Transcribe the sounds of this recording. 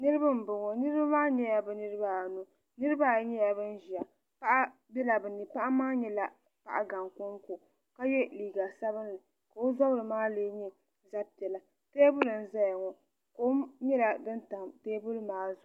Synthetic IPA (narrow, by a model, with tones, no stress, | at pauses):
nɨ˦ɾɨ˦ba˦m̩˨bʊ˨ŋɔ˨nɨ˦ɾɨ˦ba˦maː˦ɲɛ˦ja˦bɛ˨nɨ˦ɾɨ˦ba˦˨nu˨ | nɨ˦ɾɨ˦ba˦˨˦ɲɛ˦ja˨bɨ˦n̩˦ʒi˨a˨ | pa˦ʔa˦ | bɛ˦la˨bɨ˨ni˨pa˦ʔa˦maː˦ɲɛ˦la˦ | pa˦˨ʔa˨ɡa˨ŋku˦ŋku˨ | ka˦jɛ˦liː˨ɡa˨sa˦bɨ˦n˦lɨ˨ | ka˨o˦zɔ˦bɾɨ˨maː˦leː˦ɲɛ˦ | za˦pi˨ɛ˨la˨ | teː˦bʊ˦lɨ˨n̩˦za˦ja˨ŋɔ˨ | ko˦ɲɛ˦la˨bɨ˦n˦ta˨mteː˦bʊ˦lmaː˦zʊ˨